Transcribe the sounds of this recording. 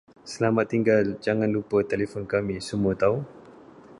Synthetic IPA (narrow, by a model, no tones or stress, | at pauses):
səlamat̪ːiŋɡald͡ʒaŋãnlupət̪elefɔnkamĩsəmuət̪au